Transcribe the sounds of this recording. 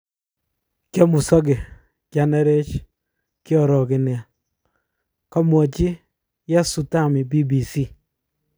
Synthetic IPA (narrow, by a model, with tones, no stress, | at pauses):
kjɔ˦mʊ˨sɔ˦ɡe˨ | kja˨nɛ˦ɾe˦t͡ʃ | kjɔ˨ɾɔ˨kɪ˨nɪ˨a˨ | kɔ˦mwɔ˨t͡ʃɪ˦ | ja˦su˨ta˦˨mɪ˨bi˦bi˨si˦